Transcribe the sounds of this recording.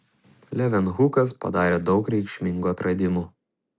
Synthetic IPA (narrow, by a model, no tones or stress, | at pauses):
lʲɛʋʲɛnɣukɐspɐ̰d̪ɑːɾʲeːd̪ɒʊkɾʲɛɪkʃʲmʲɪŋɡuɐt̪ɾɐd̪ʲɪmu